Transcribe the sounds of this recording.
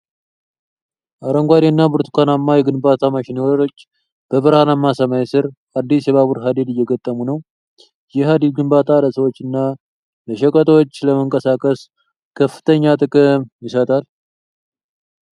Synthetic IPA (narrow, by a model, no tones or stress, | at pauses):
ʔaɾəŋɡʷad̪enːabɨɾt̪ʰu̥kʰanamːajɛɡɨnbat̪ʰamaʃɪnewoɾot͡ʃː | b̥əβɨɾhanamːasəmajsɨɾʔad̪ːisjɛβaβuɾɦad̪id̪ɨjːɛɡət̪ʼːəmunəw | jɪɦad̪id̪̚ɡɨmbat̪ʰaləsəwo̞t͡ʃːɨnːa | ləʃəkʼət̪ʰʼot͡ʃːləməŋkʼəsakʼəs | kʰəfːɨ̥t̪ʰəɲːat̪ʼɨkʼɨmjɪsət̪ʼal